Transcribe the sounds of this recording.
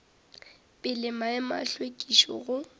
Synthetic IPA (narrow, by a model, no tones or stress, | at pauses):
pʼɪlɪmaɪma̰ɬwekʼiʃɔ̰ɣʊ